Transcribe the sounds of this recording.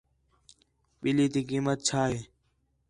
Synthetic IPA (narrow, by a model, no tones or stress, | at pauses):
ɓiliːt̪iːkiːmət̪̚t͡ɕʰaːɦeː